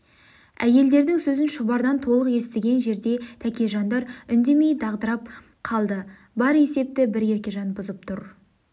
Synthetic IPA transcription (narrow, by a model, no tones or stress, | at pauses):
æje̞ld̪e̞ɾd̪ɪŋsɵzɪnʃʊbɑɾd̪ɑnt̪ʰo̞lˠəqje̞st̪eɡʲe̞nʒe̞ɾd̪e̞t̪ʰækʲe̞ʒɑnd̪ɑɾʏnd̪e̞me̞jd̪ɑʁd̪əɾɑp̚ | qʰɑlˠd̪ə | bɑɾe̞se̞p̚t̪ɪbɪɾje̞ɾkʲe̞ʒɑnbʊzəp̚t̪ʰʊɾ